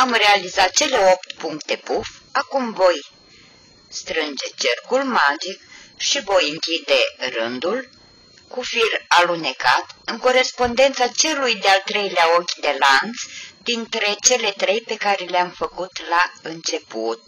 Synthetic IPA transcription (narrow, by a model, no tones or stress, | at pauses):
amre̞alizat̪̚t͡ʃe̞le̞o̞pt̪puŋkt̪e̞pufakumvo̞j | st̪ɾɨnd͡ʒe̞t͡ʃerkulmad͡ʒikʃivo̞jɨŋkʲid̪e̞rɨnd̪ul | kufiralune̞kat̪ɨŋko̞ɾe̞spo̞nd̪e̞nt̪sat͡ʃe̞lujd̪ealt̪ɾe̞jleao̞kʲd̪e̞lant̪sd̪int̪ɾe̞t͡ʃe̞le̞t̪ɾe̞jpe̞kaɾe̞leamfəkut̪laɨnt͡ʃe̞put̪̚